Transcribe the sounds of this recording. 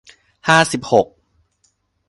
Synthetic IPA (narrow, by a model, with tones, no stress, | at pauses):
haː˥˩si˨˩p̚ho˨˩k̚